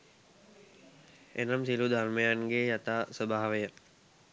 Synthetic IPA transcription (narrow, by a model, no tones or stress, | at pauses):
ḛnamsilud̪ʱarməjaŋɡejat̪aːsəbaːʋəjə